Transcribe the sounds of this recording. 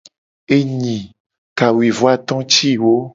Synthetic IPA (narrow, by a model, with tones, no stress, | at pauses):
e˦ɲĩ˨ | ka˨wi˨vɔ˦a˦t̪ɔ̃˦t͡ʃi˦wo˦